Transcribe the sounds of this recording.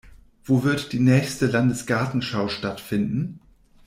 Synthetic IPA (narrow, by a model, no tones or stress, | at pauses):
v̥oːvɪɐtd̥iːnɛːçstəlandəsɡ̥aɐtn̩ʃaʊʃtatfɪndn̩